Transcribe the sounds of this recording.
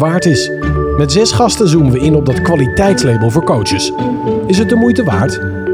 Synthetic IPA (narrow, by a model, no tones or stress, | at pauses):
ʋaːɹtɪs | mɛtz̥ɛsχɑstənzumənʋəɪnɔb̚dɑtkʋalitɛjtslejbəlˠvʊːɹkowt͡ʃəsɪs̬ɦət̚dəmujtəʋa̰ːɹt